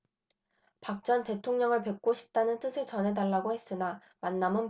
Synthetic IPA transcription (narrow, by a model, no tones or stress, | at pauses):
pak̚t͡ɕ͈ʌnte̞tʰoŋɲʌŋɯɭpe̞k̚k͈oɕʰi̥p̚t͈anɯnt͈ɯsʰɯɭt͡ɕʌnɦe̞daɭːaɡohe̞s͈ɯna | manːamɯn